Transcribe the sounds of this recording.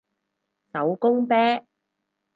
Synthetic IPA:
sɐ˨˥wkʊ˥ŋpɛː˥

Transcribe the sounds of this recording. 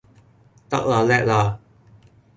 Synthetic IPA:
t̪a̰˥k̚la˨lɛ˥ʔ̚la˨˩

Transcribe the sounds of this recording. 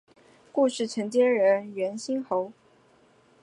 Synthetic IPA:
ku˥˧ʂɻ̩˥˩ʈ͡ʂʰə˧˥ŋt͡ɕjɛ˥nɻə˧˥nɥɛ˧˥nɕi˥nxo˧˥ʊ

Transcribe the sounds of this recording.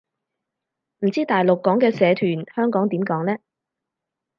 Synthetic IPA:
m̩˨˩t͡siː˥t̪aː˨jlʊ˨kːɔː˨˥ŋkɛː˧sɛː˨˧t̪ʰyː˨˩nhœː˥ŋkɔː˨˥ŋt̪iː˨˥mkɔː˨˥ŋlɛː˥

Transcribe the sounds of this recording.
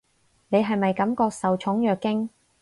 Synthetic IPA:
ne˨˧jɦɐ˨jmɐ˨jkɐ˨˥mkɔː˧k̚sɐ˨wt͡ʃʰʊ˨˥ŋjœː˨kːɪ˥ŋ

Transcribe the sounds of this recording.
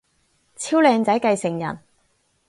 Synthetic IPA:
t͡sʰiː˥wlɛː˧ŋt͡sɐ˨˥jkɐ˧jsɪ˨˩ŋjɐ̰˨˩n

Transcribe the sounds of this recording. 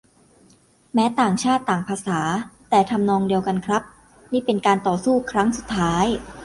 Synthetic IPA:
mɛː˦˥t̪aː˨˩ŋt͡ɕʰaː˥˩t̪ːaː˨˩ŋpʰaː˧saː˩˦t̪ɛː˨˩t̪ʰa˧mnɔː˧ŋdi˧əwka˧nkʰɾa˦˥p̚ | niː˥˩pe˧nkaː˧nt̪ɔː˨˩suː˥˩kʰɾa˦˥ŋsu˨˩t̪ʰːaː˦˥j

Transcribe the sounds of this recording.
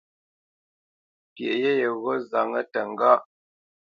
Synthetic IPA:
pje˨ʔje˦jə˨ɣɔ˦za˨ŋə˦tə˨ŋ˦ɡa˦ʔ

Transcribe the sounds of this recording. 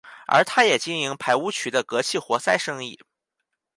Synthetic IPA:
ə̰˞˧˥t̪ʰa˥jɛ˨˩t͡ɕi˥ni˧˥ŋpʰa˧˥ɪu˥t͡ɕʰy˧˥d̪ə˧kɤ˧˥t͡ɕʰi˥˩xwɔ˧˥sa˥˧ɪʂɤ˥ŋi˥˩

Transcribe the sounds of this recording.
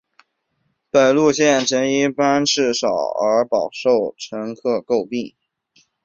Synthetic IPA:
pə˨˩nlu˥˧ɕjɛ˥˩nʈ͡ʂə˧˥ni˥˩pa˥nʈ͡ʂɻ̩˥˩ʂɑ˨˩ʊə˞˧˥pɑ˨˩ʊʂo˥˩ʊʈ͡ʂʰɤ˧˥ŋkʰɤ˥˧ko˥˧ʊpi˥˩ŋ

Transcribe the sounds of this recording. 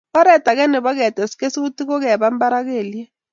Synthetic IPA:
ɔ˦ɾɛ˨tʼa˨k̬ɛ˦nɛ˨ɓɔ˦k̬ɛ˨tʼɛ˨si̥kʼe˦si˦k̬u˦tʰʼi˦k̬ɔ˦k̬ɛ˦˨ɓa˦m˦ba˦ɾa˦k̬eː˨lɛ˦

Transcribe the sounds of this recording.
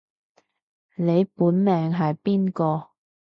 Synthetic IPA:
ne˨˧jpuː˨˥nmɛː˨ŋɦɐ˨jpiː˥nkɔː˧

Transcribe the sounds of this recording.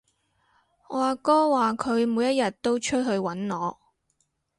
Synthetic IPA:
ŋɔː˨˧aː˨kɔː˥waː˨kʰɵ˨˧ɥmuː˨˧jɐ˥t̚jɐ˨t̚t̪o˥wt͡ʃʰɵ˥t̚ɦɵ˧ɥwɐ˨˥nŋɔː˨˧

